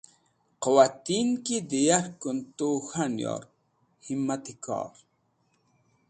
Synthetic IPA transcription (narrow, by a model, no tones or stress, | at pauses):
qowat̪inkid̪ijaɾkunt̪oxanjɑ̰ɾ | himːat̪ikɑ̰ːɾ